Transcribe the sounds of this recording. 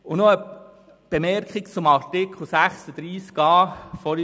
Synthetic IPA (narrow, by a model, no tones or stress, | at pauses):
ʊnoə | b̥emɛrkχikt͡sʊmɑrtɪkχl̩sæχsəd̥̪ɾiːskɑːfɔl